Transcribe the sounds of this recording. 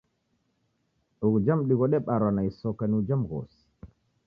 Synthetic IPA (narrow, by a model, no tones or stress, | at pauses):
ɗuɡd͡ʒamɗiɡɔɗɛɓaɾwanajsɔkanud͡ʒamɡɔ̰si̥